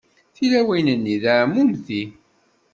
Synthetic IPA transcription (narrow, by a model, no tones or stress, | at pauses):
θilæwæjnənːiðamːumθi